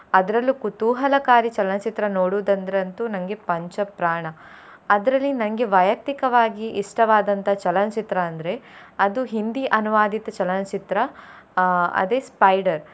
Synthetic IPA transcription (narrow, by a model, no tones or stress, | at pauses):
ɐd̪ɐɾɐlːukut̪uːɦɐlɐkaːɾit͡ʃɐlɐnt͡ʃit̪ɾɐnoːɽuːd̪ɐnd̪ɐɾɐnt̪unɐŋɡe̞pɐɲt͡ʃɐpɾaːɳɐ | ɐd̪ɐɾɐlːinɐnɐɡe̞ʋɐjɐk̚t̪ikɐʋaːɡiʔːʂʈɐʋaːd̪ɐnt̪ɐt͡ʃɐlɐnɐt͡ʃit̪ɾɐːnd̪ɐɾe̞ɐd̪uɦind̪iʔɐnuʋaːd̪it̪ɐt͡ʃɐlɐnɐt͡ʃit̪ɾɐ | ɐ̰d̪eːspɐjɖɐɾ